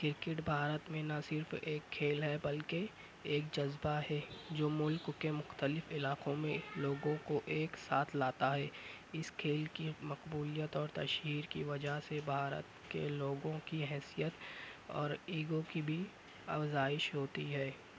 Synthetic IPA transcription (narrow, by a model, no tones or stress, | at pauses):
kɪɾkɪʈbʱaːɾət̪mẽnɐsɪɾfeːkʰːeːlɦɛbɐlke | eːkd͡ʒɐzbaɦɛːd͡ʒoːmʊlkːemʊxt̪əlɪfɪlaːqõmẽloːɡõkoʔeːksaːt̪ʰlaːt̪aɦɛː | ɪskʰeːlkimɐqbuːlijət̪ɔːɾt̪ɐ̰ʃɦiːɾkiʋɐd͡ʒaɦsebʱaːɾə̰t̪kḛloːɡõkiɦɛːsijət̪ɔ̰ːɾiːɡokibʱi | ɐ̰fzaːɪʃɦoːt̪iɦɛː